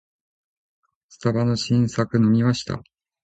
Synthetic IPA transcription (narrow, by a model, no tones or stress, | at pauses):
sɨ̥t̪abano̞ɕĩɰ̃sakɯ̟no̞mʲimaɕi̥t̪a̰